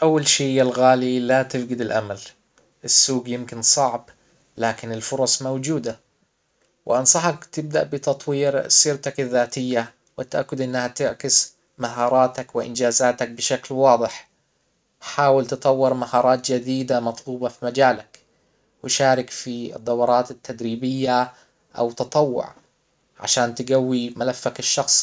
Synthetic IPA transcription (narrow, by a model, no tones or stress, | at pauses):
ʔawːalʃiːjalɣaːlilat̪ɪfɡɪd̪ɪlʔamal | ʔɪsːuːɡjɪmkɪnsˤɑʕb | laːkɪnɪlfʊɾˤɑsˤmawd͡ʒuːd̪a | wʔɪ̰ʔɑnsˤɑħɑkt̪ɪb̚d̪aʔbɪt̪ɑt̪ˤwiːɾsiːɾt̪akɪðːaːt̪ɪjːa | wɪt̪ʔa̰kːʊd̪ʔɪnːahat̪ɪʕkɪs | maɦɑːɾˤɑːt̪akwɪʔɪ̰nd͡ʒaːzaːt̪ak̚bɪʃaklwɑːd̪ˤɨħ | ħaːwɪlt̪ɨt̪ˤɑwːɪɾmahɑːɾˤɑːt̪d͡ʒad̪iːd̪amɑt̪ˤluːbɑfimad͡ʒaːlak | wɪʃaːɾɪkfiɨ̰d̪ˤːɑwɑɾˤɑːt̪ɪt̪ʰːad̪ɾiːbɪjːa | ʔa̰wt̪ɑt̪ˤɑwːʊ̰ʕ | ʕa̰ʃaːnt̪ɪɡawːimalafːakɪʃːɑxsˤ